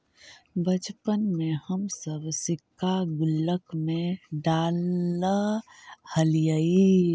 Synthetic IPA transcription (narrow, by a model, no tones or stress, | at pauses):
bət͡ʃpənmehəmsəbsikʰːaɡʊlːəkmeɖal | həlijəi